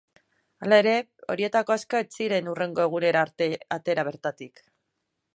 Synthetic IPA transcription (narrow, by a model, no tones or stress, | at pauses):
alae̞ɾe̞o̞ɾie̞t̪ako̞asko̞et͡siɾe̞nure̞ŋɡo̞e̞ɣ̞une̞ɾaat̪e̞ɾaβ̞e̞ɾt̪at̪ik